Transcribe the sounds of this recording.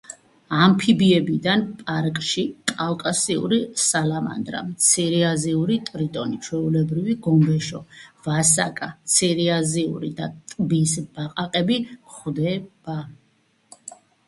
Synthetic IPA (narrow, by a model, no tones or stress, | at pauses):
ampʰibiɛbid̪anpʼaɾkʼʃikʼafkʼasiṵɾisalama̰nd̪ɾa̰mt̪sʰiɾiaziuɾit̪ʼɾit̪ʼɔnit͡ʃʰwɛulɛbɾiviɡɔmbɛʃɔvasakʼat̪sʰiɾiaziṵɾid̪at̪ʼbisb̥aqʼaqʼɛbiχd̪ɛb̥a